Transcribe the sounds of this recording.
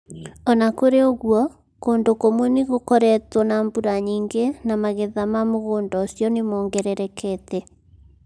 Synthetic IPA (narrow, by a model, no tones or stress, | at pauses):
ɔnakoɾeoɣwɔ | koːndokomwɛneɣokɔɾɛtwɔnaːmbuɾaɲiːŋɡenamaɣeðamamoɣoːndɔsjɔnemɔːŋɡɛɾɛɾɛkʰɛtɛ